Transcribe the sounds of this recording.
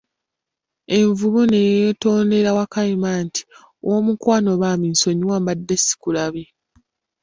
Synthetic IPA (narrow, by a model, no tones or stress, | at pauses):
e̞ɱvuβune̞jeto̞ːnde̞ɾawakaimaːntʰi̥ | owomukwaːno̞βaːminso̞ɲiwaːmbadːesi̥kulaβe